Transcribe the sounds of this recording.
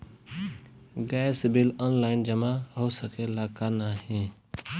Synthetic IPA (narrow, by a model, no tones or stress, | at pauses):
ɡɛːsbɪlɔːnlaːɪnd͡ʒəmaɦoːsəkelaːkanaɦẽː